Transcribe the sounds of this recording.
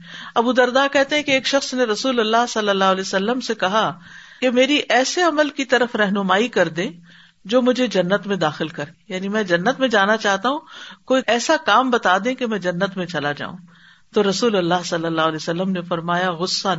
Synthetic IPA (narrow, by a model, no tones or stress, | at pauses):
ɐbud̪ɐɾd̪akɛɦt̪ẽɦɛ̃keːkʃɐxsneɾɐsuːlɐlːaːɦsɐlːəlːaːɦlɛːsɐlːəmsekɐɦa | kemeːɾiʔɛːseɐməlkit̪ɐɾəfɾɛɦnʊmaːikɐɾd̪ẽː | d͡ʒoːmʊd͡ʒʱed͡ʒɐnːət̪mẽd̪aːxɪlkɐɾejaːnimɛ̃d͡ʒɐnːət̪mẽd͡ʒaːnat͡ʃaːɦt̪aɦũkoːiɛːsakaːmbɐt̪aːd̪ẽkemɛ̃ːd͡ʒɐnːət̪mẽt͡ʃɐlad͡ʒa̰ːṵ̃ː | t̪oɾɐsuːlɐlːaːɦsɐlːəlːaːɦlɛːsɐlːəmnefɐɾmaːjaɣʊsːa